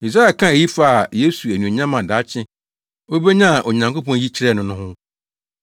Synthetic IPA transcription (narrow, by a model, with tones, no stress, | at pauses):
i˨s̬ɾa˦ɛ˨kʰã˦e˨ji˦fa˦˨a˨je˦su˨æ˨nũ˨o˨ɲã˦mã˨da˨˦t͡ɕʰɪ̃˦ | o˦be˦ɲã˦a˨ʔo˨ɲã˨ŋko˦pɔ̃˦n˦ji˦t͡ɕʰɪ˦ɾɛ˦˨nʊ̃˨nʊ̃˦ɦʊ̃˦